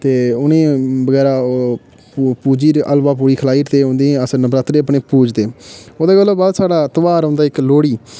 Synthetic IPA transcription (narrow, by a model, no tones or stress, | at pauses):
t̪eːʊnẽːbəɡɛːɾaː | puːd͡ʒiːɾəlʋaːp̬uːɽiːkʰəlaːiːɾt̪eːɦʊ̃ːnd̪eːɛ̃əsəɾnəbɾaːt̪ɾeːəpɳeːpuːd͡ʒt̪eːoːd̪aːɡəlːobaːd̪saːɽaːt̪əʋaːɾõːnd̪aːɪkloːɽiː